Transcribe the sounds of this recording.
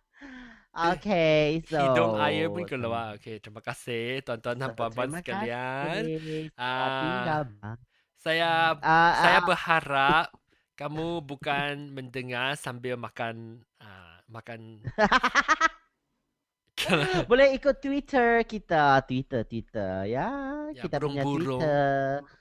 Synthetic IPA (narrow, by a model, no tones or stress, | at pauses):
ʔokesoɔmajəʊnkəloaoket͡ʃumakasɪht̪uant̪uanampampuansə̥kallianəkaba | sajaasajabəhaɾap̚ | kamubukanməndəŋarsambɪlmakan | ə̰ | makan | kʰəbolɛhikʊt̪ːwit̪ʰəkit̪at̪wit̪ət̪wit̪ə̰jait̪aɾʊŋabuɾʊŋə